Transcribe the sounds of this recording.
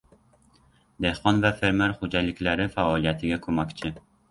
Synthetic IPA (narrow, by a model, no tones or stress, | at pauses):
d̪ehqɒnvafeɾmeɾχʊd͡ʒalɪkʲlaɾɪfaɒlˠijat̪ʰɪɡʲakʰɵmakʲt͡ʃʰɪ